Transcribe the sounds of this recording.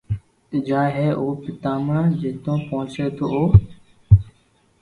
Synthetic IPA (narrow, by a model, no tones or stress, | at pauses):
d͡ʒaːɦeːʔoːpɪt̪ãːmãːd͡ʒeːt̪õːpoɦʊt͡ʃeːt̪ʰoːoː